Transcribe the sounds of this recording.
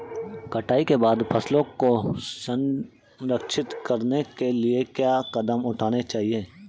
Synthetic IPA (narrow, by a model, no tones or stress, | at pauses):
kɐʈaːikebaːd̪pʰɐslõkosə̃n | ɾəkʃɪt̪kɐɾnekeliekjaːkɐd̪əmʊʈʰaːnet͡ʃaːɦieː